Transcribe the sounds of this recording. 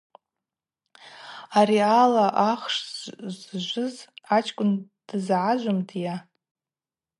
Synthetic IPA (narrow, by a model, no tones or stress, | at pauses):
arialaʔaχʂzʒʷɨzat͡ʃʰkʷʼʊnd̥zʕaʒʷʊmdja